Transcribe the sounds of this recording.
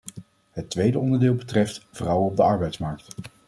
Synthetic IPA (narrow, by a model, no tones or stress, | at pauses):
ɦətʋejdəɔndəɹdɪːlˠbətrɛftv̥rɑwənɔb̚dəɑɹbɛjtsmɑɹk̚t